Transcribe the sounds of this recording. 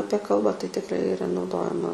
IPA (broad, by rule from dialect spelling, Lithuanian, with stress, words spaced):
ˈɑːpʲiɛ ˈkɐlˠbɑː tɐɪ tʲɪˈkrɐɪ ɪˈrɐ nɐʊˈdoːjɛmɐ